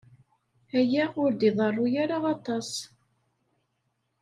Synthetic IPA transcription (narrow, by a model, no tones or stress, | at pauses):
æjæʊɾd̪iðˤərˤːʊjaɾaɑt̪ˤɑs